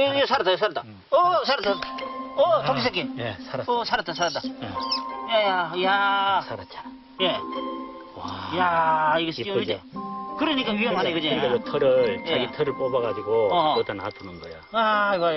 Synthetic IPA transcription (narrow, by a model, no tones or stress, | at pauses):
iesʰaɾat̪͈ajos̬ʰaɾat̪͈a | ʌsʰaɾat̪͈aʌokis̬ak͈ejesaʌsʰaɾat͈̚asʰaɾat͈̚a | jajaja | je | wajaiɡʌs͈ikɯɾɯɲik͈aɥijʌmɦanekɯd͡ʑeebɯtʰʌɾɯɭjt͡ɕeaɡitʰʌɾɯɭp͈obaɡad͡ʑiɡoʌkʌt̪ʰenatʰunɯnɡʌjoawajo